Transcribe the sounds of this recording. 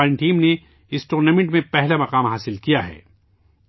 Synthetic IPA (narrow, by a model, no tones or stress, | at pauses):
ɾɪ̃ɳʈiːmne | ɪsʈuːɾnaːmẽɳʈmẽpɛɦlamɐqaːmɦaːsɪlkijaɦɛ̰ː